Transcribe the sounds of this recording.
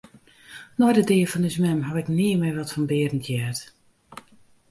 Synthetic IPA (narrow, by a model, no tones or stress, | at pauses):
nɔjdədɪəfɔndəsmɛmɦɔvɪkniːəmɪʋɔtfɔnbɪədən̩tʰjɛt